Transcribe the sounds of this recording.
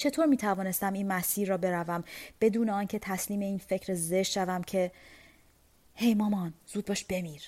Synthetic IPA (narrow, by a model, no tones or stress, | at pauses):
t͡ʃʰe̞t̪ʰoːɾmiːt̪ʰævɒːne̞st̪æmiːnmæsiːɾːɒːbe̞ɾævæmb̥e̞d̪uːneɒːncʰe̞t̪ʰæsliːme̞iːnfe̞cʰɾeze̞ʃʃævæmcʰe̞ | he̞jmɒːmɒnz̥uːd̪̚bɒːʃb̥e̞miːɾ